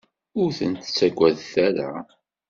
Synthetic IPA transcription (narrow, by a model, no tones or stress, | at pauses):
ʊɾθənt̪t͡sːæɡʷːæðθæɾa̰